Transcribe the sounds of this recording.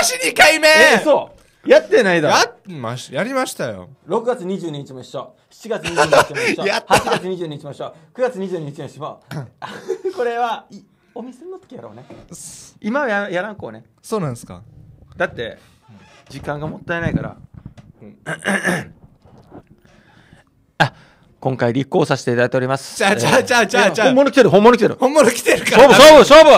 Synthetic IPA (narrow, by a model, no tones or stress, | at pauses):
ɕiɲikaimesoː | jat̪ːe̞naid̪ojamaɕjaɾʲimaɕi̥t̪ajo̰ | ɾo̞kɯ̟ɡat͡sɨɲ̟iʑɨːɲ̟iɲ̟it͡ɕimoiɕːoː | ɕi̥t͡ɕiɡat͡sɨɲʲid͡ʑːiijat̪haat͡ɕiɡat͡sɨɲ̟iʑɨ̟ːɲiɲit͡ɕimoiɕoːkɯ̟ɡat͡sɨɲ̟iʑɨ̟ːɲ̟iɲit͡ɕimoiɕmo̰ | ko̞ɾe̞βai | omʲisennːot̪ːo̥kʲijaɾo̞̰ːne | imaβajajaɾãŋko̞ːne | soːnãsɨ̥ka̰d̪̥at̪ːe̞̰ | d͡ʑikãŋɡamo̞t̪ːaenaikaɾa̰ | a | kõ̞ŋkaiɾʲikːo̞ːsaɕi̥t̪e̞it̪ad̪ait̪eo̞ɾʲimasɨ̥aad͡ʑaːaaõmːonokʲit̪eɾɯ̟ɦõ̞mːonokʲit̪eɾɯ̟hõmːonokʲi̥t̪eɾɯ̟kaoːboːbɯɕoːbɯ